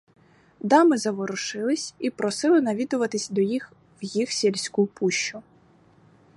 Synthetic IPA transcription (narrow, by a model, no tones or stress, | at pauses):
d̪ɑmɪzɐʋɔɾʊʃɪlˠɪsʲipɾɔsɪlˠɪnɐʋʲid̪ʊʋɐt̪ɪsʲd̪ɔjix | wjixsʲilʲsʲkupuʃt͡ʃːʊ